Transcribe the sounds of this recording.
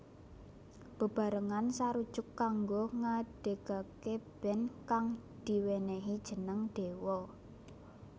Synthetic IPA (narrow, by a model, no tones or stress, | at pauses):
b̥ə̤b̥a̤ɾəŋansaɾud̥ʒ̥ʊkːaŋɡoŋaɖ̥e̤ɡ̥akeb̥ɛ̤nkaŋd̪̥i̤weneɦid̥ʒ̥ə̤nəŋd̪̥e̤wɔ